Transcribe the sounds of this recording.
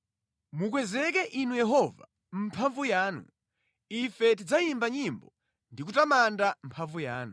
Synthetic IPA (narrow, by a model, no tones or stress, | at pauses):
muk̬wɛzɛk̬ɛʔinujɛɦɔva̰ | m̩pʰaɱvujaːnṵ | ifɛt̬id͡zajimbaɲimbɔ | ndik̬utamandam̩pʰaɱvujaːnu